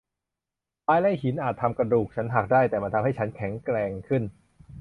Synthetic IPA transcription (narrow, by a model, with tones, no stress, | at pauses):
paː˧jla˥˩jhi˩˦nʔaː˨˩t̪ʰːa˧mka˧duː˨˩k̚t͡ɕʰa˦˥nɦa˨˩k̚daː˥˩jt̪ɛː˨˩ma˧nt̪ʰmɦa˥˩jt͡ɕʰa˦˥nkʰɛ˩˦ŋkɾɛː˧ŋkʰɯ˥˩n